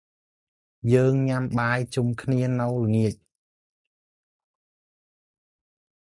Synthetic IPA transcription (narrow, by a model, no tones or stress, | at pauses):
jəːŋɲamɓaːjt͡ɕumkʰniənɨwləŋiəc̚